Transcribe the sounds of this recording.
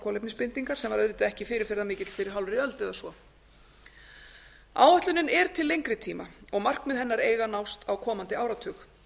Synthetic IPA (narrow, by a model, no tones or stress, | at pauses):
kʰɔlejpnɪspɪnt̪iŋkaɾ̥sɛmvaɾɛðɪt̪ɪɛhcɪfɪːɾɪɾ̥fɪɾɪðamɪːcɪt̪l̥fɪɾɪɾ̥ɦawlvɾiœlt̪ɛðasɔ | a̰ːwœht̪lʏnɪnɛɾ̥t̪ʰɪlːejŋkɾɪt̪ʰiːmaɔɣmar̥kmɛðɦɛnːaɾeːjɣanawst̪awkʰɔːmant̪ɪaːwɾat̪ʰʏːx